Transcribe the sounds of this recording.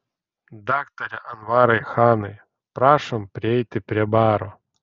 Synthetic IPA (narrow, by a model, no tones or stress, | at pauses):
d̪akt̪ɐɾʲɐʔɐnvaɾɐjxanɨj | pɾaʂɐmpɾʲejt̪ɨpʲɾʲɛbaɾʊ